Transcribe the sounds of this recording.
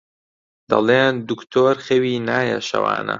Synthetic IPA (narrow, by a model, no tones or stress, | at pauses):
d̪̥ɐleːnd̪ukt̪ʰoːɾxewiːnaːjɐʃɐwa̰ːnɐ